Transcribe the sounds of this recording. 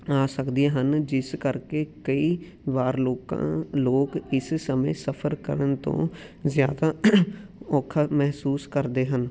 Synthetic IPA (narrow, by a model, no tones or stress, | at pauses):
aːsəkd̪ijaːɦənd͡ʒɪskəɾkeːkəiː | ʋaːɾloːkã̰ːloːkɪssəmḛ̃ːsəpʰəɾkə̰ɾənt̪õ̰ːzɪjaːd̪aː | ɔːkʰaːmɛɦsuːskəɾd̪eːɦən